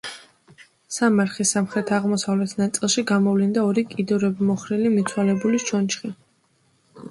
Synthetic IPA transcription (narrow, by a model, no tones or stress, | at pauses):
samaɾχisamχɾɛt̪ʰaʁmɔsavlɛt̪ʰnat̪sʼilˠʃiɡamɔvlind̪aɔɾikʼid̪ɔɾɛbimɔχɾilimit̪sʰwalɛbuliʃʰɔnt͡ʃχi